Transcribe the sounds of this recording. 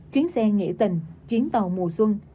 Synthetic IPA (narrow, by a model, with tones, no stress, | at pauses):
t͡ɕwi˨˦ənsɛ˧ŋḛ˧˩t̪ï˨˩ŋ̟t͡ɕwi˨˦ənt̪ə˨˩wmu˨˩əswə˧n